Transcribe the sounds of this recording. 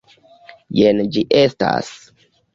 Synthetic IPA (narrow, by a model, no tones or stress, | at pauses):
jend͡ʒiʔesta̰s